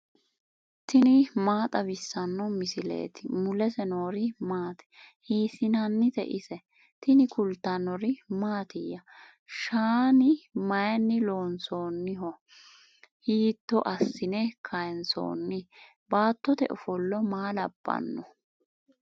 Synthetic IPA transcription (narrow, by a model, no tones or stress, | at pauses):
t̪ɪnɪmaːt̪ʼɐbɪsːɐnːɔmɪsɪlḛːt̪ɪmʊlɛsɛnoːɾɪmaːt̪ɛ̥hiːsɪnɐnːɪt̪ɛ̰ʔɪsɛ | t̪ɪnɪkʊlt̪ːɐnːɔɾɪmaːt̪ɪjɐ | ʃaːnɪmɐjɐnːɪloːnsoːnːɪɦɔ | hiːt̪ːɔʔɐsːɪnɛkʰɐjnso̰ːnːɪ | baːt̪ːɔt̪ɛ̰ʔɔfɔlːɔmaːlɐb̥ːɐ̰nːɔ